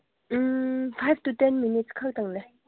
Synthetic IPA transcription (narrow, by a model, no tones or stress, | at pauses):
m̩fʰajvt̪ut̪ɛnminitskʰak̚t̪aŋle